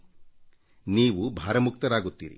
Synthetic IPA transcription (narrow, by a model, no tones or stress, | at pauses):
niːʋubʱaːɾɐmuk̚t̪ɐɾaːɡut̪ːḭɾḭ